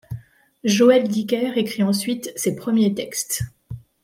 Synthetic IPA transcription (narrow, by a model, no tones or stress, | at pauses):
ʒoɛld̪ikʲɛʁekχiɑ̃sɥit̪sepχəmjet̪ɛkst̪